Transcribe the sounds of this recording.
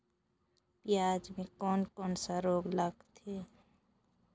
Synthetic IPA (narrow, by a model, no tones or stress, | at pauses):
pjaːd͡ʒmẽkɔːnkɔːnsaɾoːɡlaɡt̪ʰeː